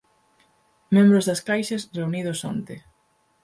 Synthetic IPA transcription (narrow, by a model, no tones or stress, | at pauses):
mẽmbɾʊzðɐskajʃɐsreuniðʊso̰nt̪e